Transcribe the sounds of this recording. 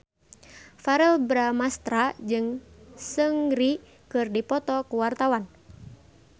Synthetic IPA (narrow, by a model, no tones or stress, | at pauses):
faɾɛlbɾamast̪ɾad͡ʒɨŋsəŋɾi | kɨrdipɔt̪ɔkuwart̪awan